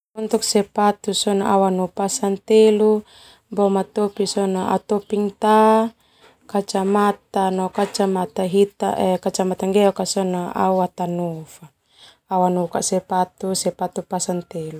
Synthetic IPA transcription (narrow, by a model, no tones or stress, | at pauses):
ɔnt̪uk̚sɛpat̪usɔnaawanupasant̪elu | bɔmat̪ɔpisɔnaa̰t̪ɔpiŋt̪a | kat͡ʃamat̪anɔkat͡ʃamat̪aɦit̪a̰ʔɛkat͡ʃamat̪aŋɡɛɔkasɔnaa̰uat̪anufa | awanuukaʔsɛpat̪usɛpat̪upasant̪elu